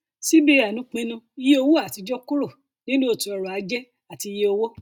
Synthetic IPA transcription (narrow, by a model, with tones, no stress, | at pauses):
si˦be˦a˨nũ˦k͡pẽ˧˦nũ˧i˨˦je˦o˧wo˦a˦˨ti˨˧d͡ʒɔ˦ku˦ɾo˦˨ | nĩ˦nũ˦o˧˨ti˨˧ɔ˧ɾɔ˨a˨˦d͡ʒɛ˦ | a˨ti˧je˦o˧wo˦